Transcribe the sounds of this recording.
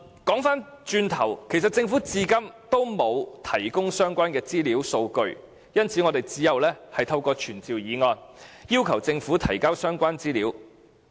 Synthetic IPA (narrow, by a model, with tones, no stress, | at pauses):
kɔː˨˥ŋfaː˥n | t͡ʃyː˧nt̪ʰɐ˨˩wkʰe˨˩jsɐ˨t̚t͡sɪ˧ŋfuː˨˥t͡siː˧kɐ˥mt̪o˥wmo˨˧wt̪ʰɐ˨˩jkʊ˥ŋsœː˥ŋkʷaː˥nkɛː˧t͡siː˥liː˨˥wso˧wkɵ˧ɥ | jɐ˥nt͡sʰiː˨˥ŋɔ˨˧t̪e˨jt͡siː˨˥jɐ˨wlɛː˥hɐ˨jt̪ʰɐ˧wkɔː˧t͡ʃʰyː˨˩nt͡siː˨wjiː˨˧ŋɔː˧njiː˥wkʰɐ˨˩wt͡sɪ˧ŋfuː˨˥t̪ʰɐ˨˩jkaː˥wsœː˥ŋkʷaː˥nt͡siː˥liː˨˥w